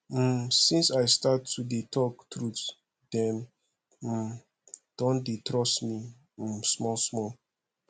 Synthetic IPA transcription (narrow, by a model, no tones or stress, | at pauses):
sĩnsajstatʰːudetʰɔktɹut | dɛ̃n | m̩ | d̥ɔ̃ndetɹɔsmi | m̩smɔlsmɔ